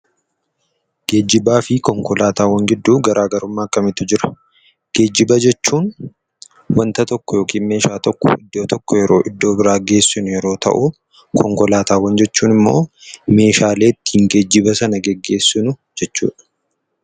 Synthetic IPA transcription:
ɡ̥e̞ːd͡ʒːɪbaːfɪkɔŋkɔlaːt̪aːwɐŋɡɪd̪ːuːɡɐɾʔaːɡɐɾʊmːaːɐkːɐmɪt̪ːʊd͡ʒɪɾɐ̥ | ɡ̥e̞ːd͡ʒːɪbɐd͡ʒɛt͡ʃːuːn | wɐnt̪ɐt̪ɔkːɔjo̞ːkiːnme̞ːʃaːt̪ɔkːɔ̰ɪd̪ːo̞ːt̪ɔkːɔjɛɾo̞ːʔɪd̪ːo̞ːbɪɾaːɡe̞ːsːʊnʊjɛɾo̞ːt̪ɐ̰ʔu | kʰɔŋkɔlaːt̪aːwɐnd͡ʒɛt͡ʃːuːnɪmːo̰ːme̞ːʃaːle̞ːɪt̪ːiːŋɡed͡ʒːɪbɐsɐnɐɡɛɡːe̞ːsːʊnʊd͡ʒɛt͡ʃːṵːᶑɐ̥

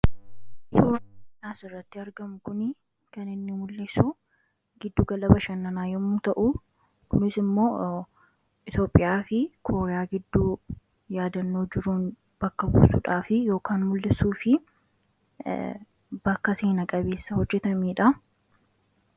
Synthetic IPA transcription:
soːɾnaːsɪrːɐt̪ːɪɐɾɡɐmʊkʊnɪ | kɐnɪnːɪmʊlːɪsu | ɡɪd̪ːuːɡɐlɐbɐʃɐnːɐnaːjɔmut̪ɐʔu | kʊnɪsɪmːo̞ː | ʔɪt̪jo̞ːpʼːɪjaːfɪkʰo̞ːɾɛjaːɡɪd̪ːuː | jaːd̪ɐnːoːd͡ʒɪɾuːn | b̥ɐkːɐbṵːsṵᶑaːfɪjo̞ːkaːnmʊlːɪsuːfɪ | bɐkːɐseːnɐkʼɐbe̞ːsːɐhɔd͡ʒːɛt̪ɐmiːᶑɐ

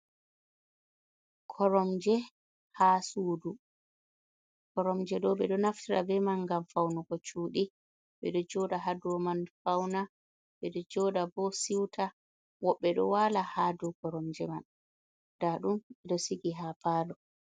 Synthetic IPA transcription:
kʰɔɾɔmd͡ʒɛ | hasuːdu | kɔɾɔmd͡ʒɛɗɔɓɛɗɔnaftiɾa̰bɛmanɡamfawnuɡɔt͡ʃuːɗi | ɓɛɗɔd͡ʒɔdaɦaduɾɔmanfawna | ɓɛɗɔd͡ʒɔdabɔsiwtʰa | wɔɓːɛɗɔ̰walahadɔkɔɾɔmd͡ʒɛman | d̥aɗumɓɛɗɔsiɡiɦapaːlɔ

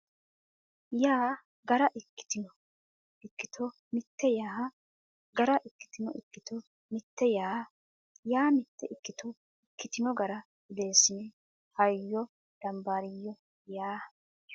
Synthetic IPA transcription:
jaː | ɡɐɾɐʔɪkːɪ̥t̪ɪnɔ | ɪkːɪt̪ʰɔ | mɪt̪ːɛjaːhɐ | ɡɐɾɐʔɪkːɪ̥t̪ɪnɔɪkːɪt̪ɔ | mɪt̪ːɛjaː | jaːmɪt̪ːɛʔɪkːɪt̪ɔ | ɪkːɪt̪ɪnɔɡɐɾɐ | ɡɪd̪eːsːɪnɛ | hɐjjːɔ | d̪̥ɐmbaːɾɪjːɔ | jaː

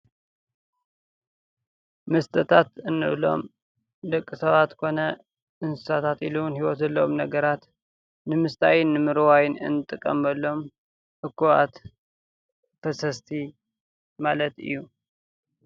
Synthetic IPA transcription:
mɨst̪ʰʼɐt̪ʰat̪ɨnːɨʔlo̞̰m | d̪ɐkʼːɨsɐβat̪kʰo̞nɐ | ʔɨnsɨ̥sat̪ʰat̪ḭlunhiwɔt̪ɐlːɐomnɐɡɐɾat̪ | nɨmɨst̪ʰajɪnːɨmɨɾwajɪnɨ̰nːɨt̪ʼɨkʼːɐmbɐlːo̞m | ʔɨkːuʔa̰t̪ | fɐsɐst̪ʰi | malɐt̪ɨ̰jːu

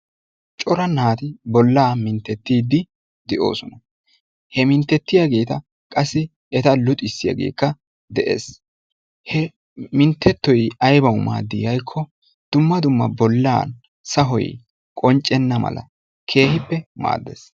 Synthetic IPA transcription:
t͡ʃʼɔɾɐnhaːt̪ɪbɔlːaːmɪnt̪ːɛt̪ːiːd̪ːɪ | d̪ɛʔo̞̰ːsɔnɐ | hɛmɪnt̪ːɛt̪ːɪjaɡe̞ːt̪ɐ | kʼɐsːɪ | ɛt̪ɐlʊt̪ʼɪsːɪja̰ɡḛːkːɐ | d̪ɛʔḛːs | hɛ | mɪnt̪ːɛt̪ːɔjɐjbɐwma̰ːd̪ːɪjɐjkʰːɔ | d̪̥ʊmːɐd̪ʊmːɐbɔlːa̰ːn | sɐɦɔj | kʼɔnt͡ʃʼːɛnːɐmɐ̰lɐ̰ | kʰe̞ːhɪpːɛma̰ːd̪ːḛs

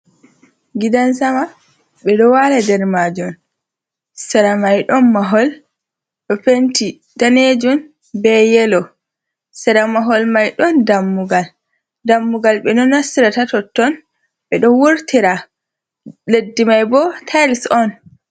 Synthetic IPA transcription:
ɡidansama | ɓɛɗɔwaladɛɾmaːd͡ʒum | sɛɾamajɗɔnmaɦɔl | ɗɔfenti | daned͡ʒum | bɛjɛlɔ | sɛɾamaɦɔlmajɗɔndamːuɡal | damːuɡalɓɛnɔnːasiɾatatɔtːɔn | ɓɛɗɔwuɾtiɾa | ledːimajbɔtʰajlsɔn

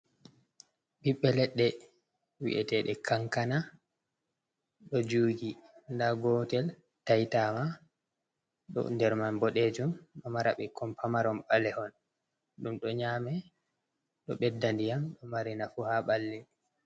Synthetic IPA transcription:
ɓiɓːɛlɛɗːɛ | wḭʔɛ̰tɛɗɛkʰaŋkana | ɗɔd͡ʒuːɡindaɡɔtɛl | tajtama | ɗɔ̰ndɛɾmanbɔɗed͡ʒumɗɔmaɾaɓɛkɔmpʰamaɾɔmɓalɛhɔn | ɗumɗɔɲaːmɛ | ɗɔɓɛdːandijamɗɔmaɾinafuhaɓalːɛ

